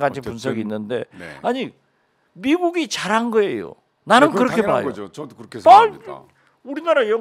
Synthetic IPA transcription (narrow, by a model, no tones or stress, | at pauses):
ɡad͡ʑʰipunsʰʌɡinːɯnde̞̰aɲi | miɡuɡit͡ɕaɾɦanɡʌe̞jo̰ | nanɯnkɯɾʌkʰe̞maɭɦa̰jokkʰa | uɾinaɾajʌ